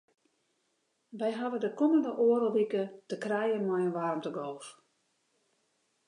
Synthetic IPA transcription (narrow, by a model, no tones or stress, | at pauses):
ʋɛjɦaʋədəkɔməndəʔoːəɾəʋikətəkrɛjəmajənʋarmtəɡoːf